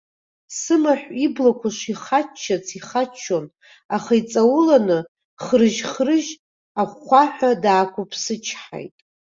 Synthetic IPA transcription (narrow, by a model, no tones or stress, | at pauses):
sɨmaħʷᶣiblakʷʰaʂiχat͡ʃʰːat͡sʰiχat͡ʃʰːon | aχait͡sʼawʊlanɨ | χrɨʒχrɨʒ | aχʷaħʷᶣadaːkʷʰʊpʰsɨt͡ʃʰħa̰jtʼ